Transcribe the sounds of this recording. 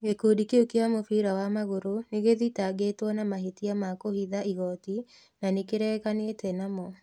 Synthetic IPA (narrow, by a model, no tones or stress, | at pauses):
ɡekodikeokeamofiɾawamaɣoɾoneɣeðitaɡetwɔnamaɦetiamakohiðaiɣɔti | nanekeɾɛːkanetɛnamɔ